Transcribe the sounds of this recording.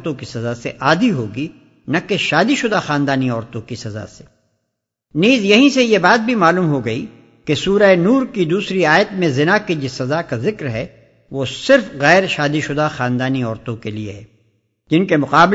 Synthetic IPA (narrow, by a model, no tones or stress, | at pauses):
t̪õkisɐzaseʔaːd̪iɦoːɡi | nɐkeʃaːd̪iʃʊd̪axaːnd̪aːniɔːɾt̪õkisɐza̰se̥ː | niːzjɐɦĩsejebaːt̪̚bʱimaːluːmɦoɡɐḭ | kesuːɾaenuːɾkid̪uːsɾiaːjət̪mẽzɪnakid͡ʒɪsɐzakazɪkɾɦɛ | ʋoːsɪɾfɣɛːɾʃaːd̪iʃʊd̪axaːnd̪aːniɔːɾt̪õkeliḛɦɛː | d͡ʒɪnkemʊqaːb